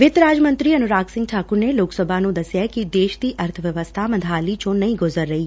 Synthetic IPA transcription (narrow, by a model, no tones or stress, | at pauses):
ʋɪt̪ɾaːd͡ʒmə̃nt̪ɾiːɐnʊɾaːksɪ̃ŋɡʈʰaːkʊɾneloːksəbʱaːnũd̪ɐsjakid̪eːʃd̪iːʔɐɾt̪ʰəʋjəʋəst̪ʰamə̃nd̪ʱaːlit͡ʃõnɐĩɡʊzəɾːəɦiː